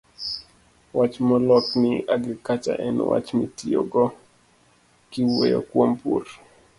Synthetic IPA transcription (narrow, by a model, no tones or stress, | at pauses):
wat͡ʃmɔlɔknɪaɡɾɪkat͡ʃa̰ʔɛnwa̰t͡ʃmitioɡɔ | kɪwojo̰kwompur